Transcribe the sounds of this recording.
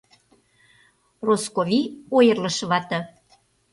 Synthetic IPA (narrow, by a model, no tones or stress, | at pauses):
roskovʲiojərlə̆ʃβɑt̪ɤ̆